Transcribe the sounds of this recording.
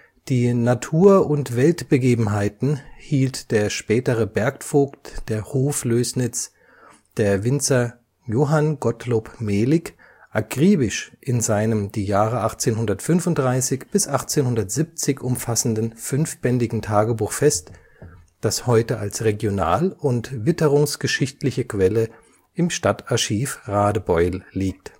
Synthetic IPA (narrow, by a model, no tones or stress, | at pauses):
d̥iːnatʰuːɐʊntv̥ɛltb̥əɡeːbm̩ɦaɪtn̩hiːltd̥eːɐʃpɛːtəʁəbɛɐkfoːktd̥eːɐhoːfløːsnɪt͡s | d̥eːɐvɪnt͡sɐ | joːɦanɡɔtloːpmeːlɪk | ʔaɡʁ̥iːbɪʃʔɪnzaɪnəmdiːjaːʁəʔaχt͡seːnhʊndɐtfʏnfʊntd̥ʁaɪsɪçb̥ɪsʔaχt͡seːnhʊndɐtz̥ip̚t͡sɪçʔʊmfasn̩dn̩fʏnfb̥ɛndɪɡŋ̩tʰaːɡəbuːxfɛst | d̥ashɔʏtəʔalsʁeɡjona̰ːlʊntvɪtəʁʊŋsɡ̥əʃɪçtlɪçəkv̥ɛlə | ʔɪmʃtataɐʃiːfʁaːdəbɔʏlːiːk̚t